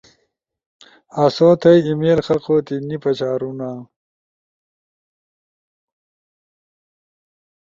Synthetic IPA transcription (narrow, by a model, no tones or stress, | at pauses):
asoːt̪ɐjimeːlxɐlqot̪inipɐt͡ɕaːɾuna